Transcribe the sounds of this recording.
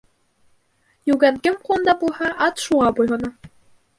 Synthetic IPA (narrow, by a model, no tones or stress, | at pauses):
jʉɡænkɘmqulˠnd̪ɑbulˠhɑʔɑt̪ʃuʁɑbujɦɤ̆nɑ